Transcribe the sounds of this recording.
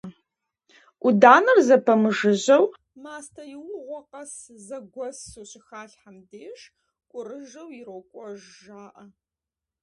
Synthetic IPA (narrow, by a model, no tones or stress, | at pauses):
ʔʷʊdaːnɐrzɐpʰɐmɨʒɨʑɐw | maːstʰɐjɪwʊʁʷɔqɐs | zɐɡʷɔsuɕʼɪxaːɬħamdeːʂ | kʷʼʊrɨʒɐwjɪɾokʷʼɔʒʒaːʔɐ